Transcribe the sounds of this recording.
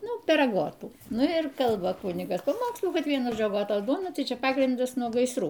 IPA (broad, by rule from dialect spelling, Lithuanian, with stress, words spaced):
ˈnʊ pʲɛr ɐˈɡoːtuː ˈnʊ ɪr ˈkɐlˠbɐ ˈkʊnʲɪɡɐs pɐˈmoːkslˠuː ˈkɐt ˈʋʲiɛnʊ ˈʒoːd͡ʒʲʊ ɐɡoːˈtoːs ˈduɔnɐ ˈtɐɪ ˈt͡ʃʲɛ ˈpɑːɡrʲɪndɐs nuɔ ɡɐɪsˈruː